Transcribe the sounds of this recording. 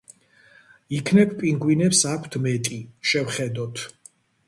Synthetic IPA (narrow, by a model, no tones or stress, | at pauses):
ikʰnɛb̚ʰpʼiŋɡwinɛpsakʷʰt̪ʰmɛt̪ʼiʃɛvχɛd̪ɔt̪ʰ